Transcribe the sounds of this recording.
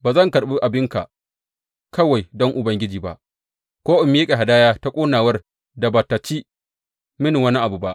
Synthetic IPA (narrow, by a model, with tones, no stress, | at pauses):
baː˨zɐ˦˨ŋkɐ˨ɽɓu˦ʔa˨bɪ˦ŋka˨ʔ | kɐ˦wa˨jdɔ˦ŋʔʊ˨bɐ˦ŋɡʲɪ˦d͡ʒiː˨ba̰˦ʔ | kʷoː˦ʔʊ˨mːi˦kʲʼe˨ɦa˨daː˦jaː˦ta˦kʷʼoː˦naː˨wɐ˦r | da˨bɐ˨tːa˨t͡ʃiː˦ | mɪ˦ni˨wɐ˦ni˦ʔa˨bu˨ba˦ʔ